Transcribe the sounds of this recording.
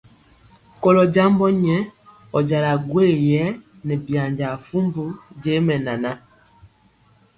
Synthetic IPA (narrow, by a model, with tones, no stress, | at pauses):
kɔ˦lɔ˨d͡ʒa˦mbɔ˦ɲɛ˦ | ɔ˨d͡ʒa˨ɾa˨ɡwe˦˨jɛ˦ | nɛ˨bja˨ɲd͡ʒa˨fu˦mbu˦d͡ʒe˦mɛ˨na˨na˦